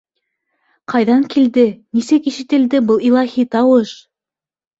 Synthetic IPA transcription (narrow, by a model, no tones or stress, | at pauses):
qɑjðɑŋkild̪ɘnisɘkiʃɘ̆t̪ɘ̆ld̪ɘbɤlˠilˠɑhit̪ɑwɤʃ